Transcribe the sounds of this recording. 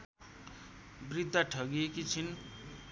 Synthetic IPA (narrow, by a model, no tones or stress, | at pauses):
brid̪ʱːaʈʰʌɡiekit͡sʰin